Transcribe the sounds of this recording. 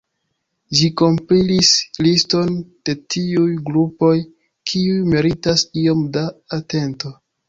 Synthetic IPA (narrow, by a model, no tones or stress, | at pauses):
d͡ʒiko̞mpɾilislisto̞nd̥e̞tiujɡɾupo̞j | kʰiujmeɾitasio̞mdaːte̞nto̞